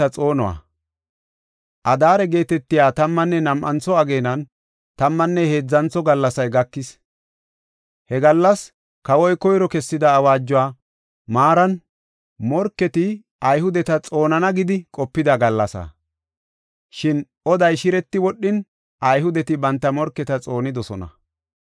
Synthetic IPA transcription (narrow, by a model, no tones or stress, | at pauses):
ɐt͡sʼo̞ːnɔwa̰ː | ʔɐd̪aːɾɛɡe̞ːt̪ɛt̪ːɪjaːt̪ɐmːɐnːɛnɐmʔɐ̰nt͡sːɔɐɡe̞ːnɐn | t̪ɐmːɐnːɛhe̞ːd͡zːɐnt͡sːɔɡɐlːɐsɐjɡɐkːɪs | hɛɡɐlːɐs | kɐwɔjkɔjɾɔkɛsːɪd̪ɐːwaːd͡ʒːʊwaː | maːɾɐn | mɔɾkːɛt̪ɪ | ʔɐjɦʊd̪ɛt̪ɐt͡sʼo̞ːnɐnɐɡɪd̪ɪkʼɔpːɪd̪ɐɡɐlːɐsa̰ː | ʃɪn | ɔd̪ɐjʃɪɾɛt̪ːɪwɔɗːɪn | ʔɐjɦʊd̪ɛt̪ɪbɐnt̪ːɐmɔɾkːɛt̪ɐt͡sʼo̞ːnɪd̪ɔsɔnɐ̰